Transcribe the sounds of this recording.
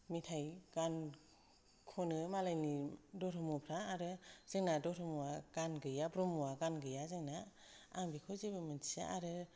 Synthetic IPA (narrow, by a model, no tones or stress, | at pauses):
mitʰajɡ̥an | kʰɔnɯmalajnidɔɾʰɯmupʰɾaaɾɯz̥ɯŋnadɔɾʰɯmuwaɡ̥anɡɯjabɾɔmuwaɡanɡɯjazɯŋna | a̰ŋbikʰɯzebɯmɯna̰ʔaɾɯ